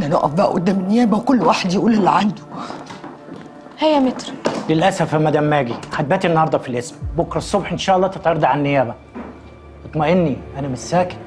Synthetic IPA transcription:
næno̰ʔæ̰fbæːʔʊ̰d̪ːæːmɪnːɪjæːbæwkʊlːwaːħed̪jɪʔuːlɪlːiʕand̪ʊ̥ | hæjːæmɪt̪ɾlɪlʔæsæfmæd̪æmːæːɡixad̪̚bæːt̪inːɑhɑɾˤd̪ˤɑfilʔɪsmbʊkɾɑsˤːobħʔɪnʃæːʔɑlˤːɑːt̪et̪ˤʕɑɾˤd̪ɑʕanːɪjæːbæ | ɑt̪ˤmæʔɪnːiʔænæmɪsːæːk

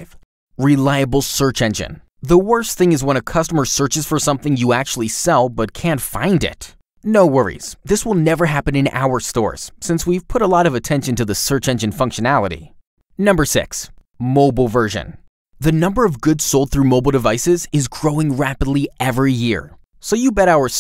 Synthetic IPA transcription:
v | ɹilaɪɨbl̩ˠsɜ˞t͡ʃɛ̃nd͡ʒɨ̰̃n | ðəwɜ˞sθɪ̃ŋɨzwə̃ñɨkʰʌstəmə˞sɜ˞t͡ʃɨz̥fə˞sʌ̃mθɪ̃ŋjɨæk̚t͡ʃul̩ˠisɛlˠbʌt̚kʰæ̃ntfã̰ɪ̃ndɪ̰t | noʊwɜ˞ḭz̥ðɪswəlˠnɛvə˞ɦæpɨ̃nɨ̃na̰ʊə˞stɔ̰ɹz̥sɪ̃nswiv̥pʰʊɾəlɔɾʌvɨtʰɛ̃nʃɨ̃n̩tɨðɨsɜ˞t͡ʃɛ̃nd͡ʒɨ̃nfʌ̃ŋkʃɨnælˠəɾḭ | nʌ̃mbə˞sɪ̰ks | moʊbl̩ˠvɜ˞ʒɨ̰̃n | ðɨnʌ̃mbə˞ʌvɡʊdsoʊlˠd̪̚θɹʉmoʊbl̩ˠdɨvaɪsɪzɪzɡɹoʊɪ̃ŋɹæpədˡliɛvɹijɪ̰ɹ | soʊjɨbɛɾaʊə˞

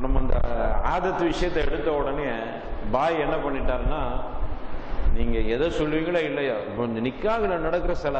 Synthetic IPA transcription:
nɐmːɐɪnd̪ɐ̰a̰ːðɐt̪ːɯʋɪʂɐjɐt̪ːɐɛɽɯt̪ːɐɔɽɐneː | baːjɛnːɐpɐɳːɪʈːaːɾnːaː | niːŋɡɐɛðɐsɔlːʋiːŋɡɐɭeːɪlːɐjaːpːɔɲnɪkːaːɣɐlɐnɐɽɐkːɯɾɐsɪla

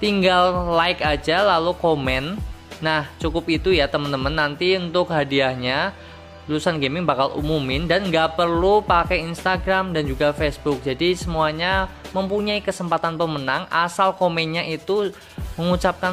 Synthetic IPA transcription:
t̪iŋɡallaɪkad͡ʒalalukomɛnːaht͡ʃukʊpit̪ujat̪əmənt̪əmənːant̪iunt̪ʊkɦadiahɲa | lusanɡemɪŋbakalṵmumɪndanŋɡaʔpərlupakajinst̪aɡɾamdand͡ʒuɡafesbʊk̚d͡ʒadisəmuaɲaməmpuɲaikəsəmpat̪anpəmənaŋʔasalkomɛnɲaʔit̪u | məŋut͡ʃap̚kan

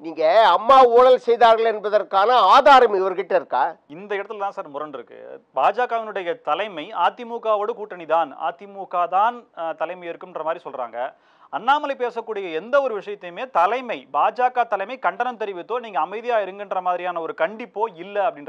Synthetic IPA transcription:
niːŋɡɐːmːaːuːɽɐlsɛjðaːɾɣɐɭɛnbɐðɐrkaːnɐaːðaːɾɐmɪʋɐɾɣɪʈːɐɪɾɯkːaːɪnd̪ɐɪɽɐt̪ːɪlt̪ãːsaːɾmʊɾɐnɖɪɾɯkːɯ̰baːd͡ʒaːkaːʋɐnɯɽɐjɐt̪ɐlɐɪmɐɪaːt̪ːɪmuːkaːʋɐɽɯkuːʈːɐniðaːna̰ːt̪ːɪmuːkaːt̪aːnt̪ɐlɐɪmɐjɪɾɯkːɯmɛndrɐmaːðɾisɔlra̰ːŋɡɐ | ɐnːaːmɐlɐɪpeːsɐkːuːɽɪjɐɛnd̪ɐɔɾɯʋɪʂɐjɐt̪ːɐjmeːt̪ɐlɐɪmɐɪbaːd͡ʒaːkaːt̪ɐlɐɪmɐɪkɐɳɖɐnɐnt̪ɛɾɪʋɪt̪ːoːniːŋɡɐːmɐɪðɪjaːjɪɾɯŋɡɪndrɐmaːðɪɾɪjaːnɐɔɾɯkɐɳɖɪpːoːɪlːɐɐpːɐɽɪnr

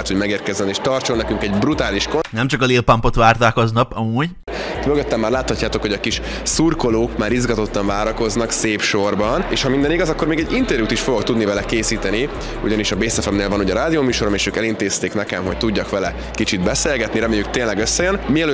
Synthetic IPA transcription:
t̪ho̞ɟmɛɡeːrkɛzɛneːʃt̪ɒrt͡ʃonɛkyŋkɛɟbrut̪aːliʃkonɛmt͡ʃɒkɒleːlpɒmpo̞t̪ʋaːrt̪aːkoznɒpɒmuːɟ | møɡøt̪ːɛmːaːrlaːt̪hɒcːaːt̪o̞kho̞ɟɒkiʃ | surko̞loːkmaːɾizɡɒt̪o̞t̪ːɒɱvaːɾɒko̞znɒkseːpʃo̞rbɒneːʃhɒmind̪ɛniɡɒzɒkːo̞rmeːɡɛɟint̪ɛɾjuːt̪iʃfojokt̪ud̪nivɛlɛkeːsiːt̪ɛni | uɟɒniʃɒbeːsɛfɛmneːlvɒnuːɟɒɾaːd̪ioːmyːʃo̞ɾomeːʃøːkɛlint̪eːst̪eːknɛkɛmɦoc̚t̪uɟːɒkʋɛlɛ | kit͡ʃid̪bɛseːlɡɛt̪niɾɛmeːjːykt̪eːnlɛɡøsːɛjønmiɛlø

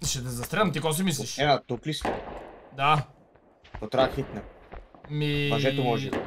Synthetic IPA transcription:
ʃɛt̪ɛzɐst̪ɾɛmt̪ikɔs̬imis̬iʃɛnat̪oklist̪d̪a | p̪ot̪ɾaxit̪nɛ | mimɐʒɛomɔʒɛ

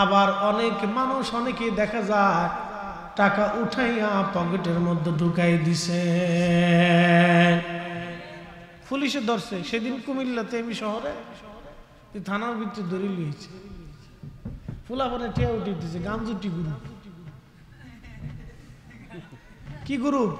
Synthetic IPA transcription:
abaɾɔnekmanuʃɔneked̪ɛkʰad͡za | ʈakaʔuʈʰajapɔɡeʈeɾmɔd̪ʱːɔɖʱukajd̪it͡ɕʰe | pʰuliʃed̪ɔɾseʃed̪inkumilːat̪eamiʃɔɦɔɾe | t̪et̪ʰanaɾbʱit̪ːɾed̪oɾilot͡sʰe̥ | pʰulabaneʈʰijauʈʰijt̪isʰeɡand͡zuʈiɡuɾub | kiɡuɾub

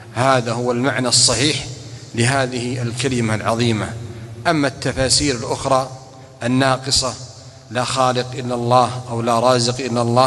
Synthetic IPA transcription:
haːðaɦʊwalmaʕnasˤːɑħiːħlɪɦaːðɪhɪalkalɪmalʕɑðˤiːma̰ʔamːat̪ːafaːsiːɾɪlʔʊxɾˤɑː | ʔanːɑːqɨsˤɑ | laxɑːlɪqʔɪlːalˤːɑːhʔawlaɾˤɑːzɪqʔɪlːalˤːɑː

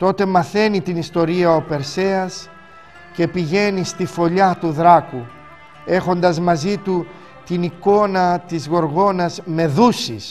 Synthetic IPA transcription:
t̪o̞t̪e̞mɐθe̞nit̪inist̪o̞ɾiɐope̞ɾse̞ɐs | ce̞piʝe̞nist̪ifo̞ʎɐt̪uðɾɐku | e̞xo̞nd̪ɐzmɐzit̪u | t̪iniko̞nɐt̪izɣo̞ɾɣo̞nɐzme̞ðusis

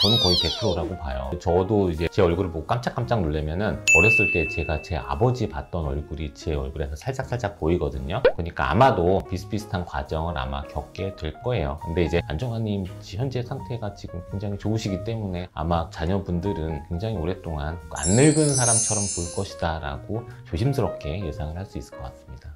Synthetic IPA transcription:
t͡ɕʌnɯnkʌipe̞pʰuɾoɾaɡopajʌ̰t͡ɕʌdoid͡ʑe̞t͡ɕe̞ʌɭɡuɾɯɭboɡok͈amt͡ɕ͈ʰak͈amt͡ɕ͈aŋnoɭːemjʌnɯnʌɾjʌs͈ɯɭt͈e̞t͡ɕe̞ɡat͡ɕe̞a̰bʌd͡ʑipat̚t͈ʌnʌɭɡuɾit͡ɕe̞ʌɭɡuɾe̞sʰʌsʰaɭt͡ɕ͈ak̚sʰaɭt͡ɕ͈ak̚p͈oiɡʌdɯɲokɯɲik͈a̰a̰madopis͈ʰɯ̥pisʰtʰankwa̰d͡ʑʌŋɯɾa̰ma̰kjʌk̚k͈e̞dwe̞ɭk͈ʌe̞jokɯnde̞id͡ʑe̞and͡ʑoŋɦaɲimd͡ʑiçjʌnd͡ʑe̞sʰaŋtʰe̞ɡat͡ɕiɡɯmkwe̞ŋd͡ʑaŋit͡ɕouɕʰiɡit͈e̞mune̞a̰mat͡ɕaɲʌbundɯɾɯnkwe̞ŋd͡ʑaŋioɾe̞t͈oŋana̰nːɯɭɡɯnsʰaɾamt͡ɕʰʌɾʌmpoɭk͈ʌɕʰi̥daɾa̰ɡ̥ot͡ɕoɕʰimsʰɯɾʌp̚k͈e̞je̞sʰaŋɯɭhaɭs͈uis͈ɯ̥ɭk͈ʌk͈asɯmɲid̥a

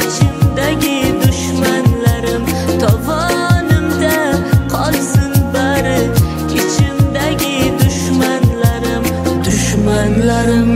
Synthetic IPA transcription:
t͡ʃʰɪmd̪aɡʲɪd̪ʊʃmanlaɾɪmt̪ʰɒvɒnɪmd̪aqʰɒlˠsɪnbaɾɪ | ɪt͡ʃʰɪmd̪aɡʲɪd̪ʊʃmanlaɾɪm | d̪ʊʃmanlaɾɪm

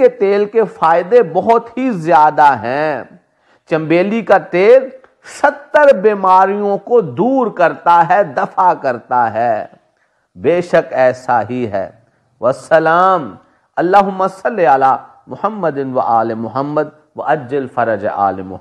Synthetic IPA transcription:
et̪eːlkefaːɪd̪ebɐɦʊt̪ɦizjaːd̪aɦɛ̃ː | t͡ʃɐ̃mbeːlikat̪eːl | ʃɐt̪ːəɾbeːmaːɾijõkod̪uːɾkɐɾt̪aɦɛd̪ɐfakɐɾt̪aɦɛː | beːʃəkɛːsaɦiɦɛ̰ː | ʋɐsɐlaːm | ɐlːaːɦʊmːasɐlːeɐlaː | mʊhəmːəd̪ɪnʋɐʔaːlemʊɦəmːəd̪̚ | ʋɐ̰ʔɐd͡ʒːəlfɐɾəd͡ʒḛʔa̰ːlemʊ̰

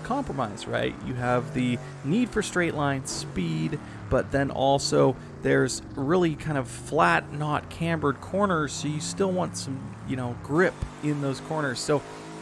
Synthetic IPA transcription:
kʰɑ̃mpɹəmaɪz̥ɹa̰ɪʔjɨ̰əvðɨ | nid̥fə˞stɹ̥eɪʔlãɪ̃nspid | b̥ʌt̪̚ðɨ̃nɔlˠsoʊ | ðə˞z | ɹɪlˠikʰãɪ̃ndʌv̥flætⁿnɑt̚kʰæ̃mbə˞d̚kʰɔɹnə˞z̥soʊjɨstɪlˠwɑ̃ntsʌ̃mjɨñoʊɡɹɪpɪ̃nðoʊz̥kʰɔɹnə˞z̥soʊ

